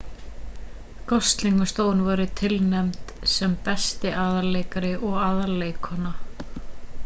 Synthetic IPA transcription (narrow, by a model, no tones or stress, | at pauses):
kɔst̪liŋkast̪oːwnvɔːɾʏt̪ʰɪlnɛmt̪sɛmpɛst̪ɪʔaðaleːjkaɾɪʔɔɣaːðaɾleːjkʰhɔnːa